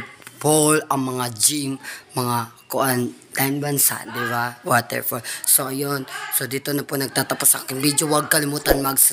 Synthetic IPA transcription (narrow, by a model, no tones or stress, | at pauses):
bolɐŋmɐŋad͡ʒimmɐŋakʊʔant̪anbansa̰nd̪ɪbawat̪ɛ̰ɹfɔsoʔɐjonsod̪it̪onɐponɐɡ̚t̪at̪ɐposa̰kɪnbid͡ʒʊwɐɡ̚kɐlɪmuːt̪anmɐɡs